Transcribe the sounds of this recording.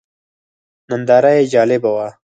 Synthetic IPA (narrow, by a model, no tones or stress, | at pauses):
mand̪ɑːɾajed͡ʒɑːlɪbawa